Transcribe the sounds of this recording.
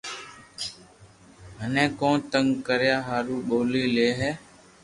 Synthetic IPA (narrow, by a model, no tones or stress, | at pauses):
ɦənẽːkõːnt̪əŋɡkəɾjaːɦaːɾuːɓoːliːleːɦɛː